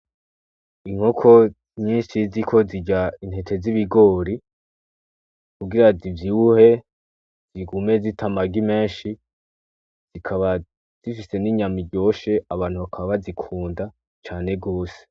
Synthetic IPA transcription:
iŋ̥hokʰo̞ | ɲiːnʃizikʰo̞ziɟain̥he̞tʰe̞ziβiɡo̞ːɾi | kuɡiɾazivjiuhe̞ | ziɡume̞zitʰamaɡime̞ːnʃi | z̥ikʰaβa | z̥ifise̞niɲamiɟo̞ːʃe̞aβaːn̥huβakʰaββazikʰuːnda | t͡ʃaːne̞ɡo̞ːse̥

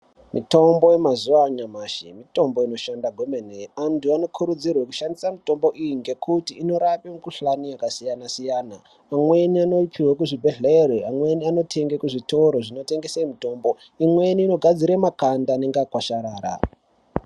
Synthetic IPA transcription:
mʔito̞mbo̞je̞mazuaɲamaːʃimito̞mbo̞ino̞ʃandaɡʱwomeneantuano̞kʰuɾud͡zirweku̥ʃandisamito̞mbo̞ʔijiŋɡe̞kʰutiːno̞ɾapemukuɬanijakasijanasijaːna̰ | amwe̞niano̞pʰiwakuʐibʱe̞ɮereamwe̞niano̞tʰe̞ŋɡekuʐito̞ɾo̞ʐino̞te̞ŋɡe̞semito̞ːmbo̞ | imwe̞niːno̞ɡʱad͡ziɾemakandaːne̞ŋɡeakwaʃaɾaːɾa̰

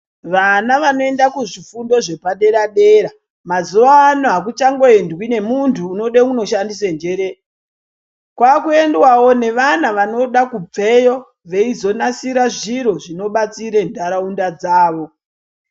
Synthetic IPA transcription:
ʋanaʋano̞e̞ndakuʐifundo̞ʐe̞paɗe̞ɾaɗe̞ɾa | mazuʋaːnoɦak̬ut͡ʃaŋɡo̞endwine̞muntʰuːno̞ɗekuno̞ʃandisend͡ʒe̞ɾe | kwakue̞ndwawo̞ne̞ʋanaʋano̞ɗakup͡fe̞jo̞ | ʋe̞izo̞nasiɾaʐiɾo̞ʐino̞ɓat͡siɾendʱaɾaundad͡zaːʋo̞

